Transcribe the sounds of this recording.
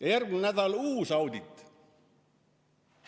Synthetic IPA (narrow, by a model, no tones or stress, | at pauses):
jɑjærknæt̪æolʲuːsɑud̪ʲit̪